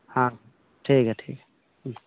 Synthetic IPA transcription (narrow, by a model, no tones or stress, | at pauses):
hã | ʈʰikɛʈʰḭk